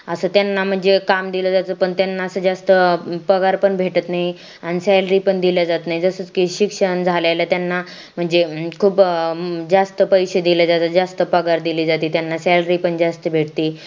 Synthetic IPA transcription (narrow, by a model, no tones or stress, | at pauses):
əsəːt̪janːam̤əɳd͡zekamd̪iləd͡zat͡səpəɳt̪janːaəsəːd͡zast̪əpəɡaɾpəɳbʱeʈət̪naɦi | añisɛlɾipəɳd̪iljad͡zat̪naɦid͡zəsəːt͡skiɕikʂəɳd͡zʱalalat̪janːa | m̤əɳd͡zekʰuːpd͡zast̪əpəjɕed̪iləd͡zat͡səd͡zast̪əpəɡaɾd̪iliːd͡zat̪iːt̪janːasɛlɾipəɳd͡zast̪əbʱeʈt̪iː